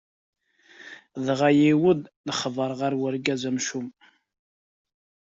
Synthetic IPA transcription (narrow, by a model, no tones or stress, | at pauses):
ðʁajiwəd̪ðəχəvˤəɾˤʁaɾwəɾɡæzæmʃum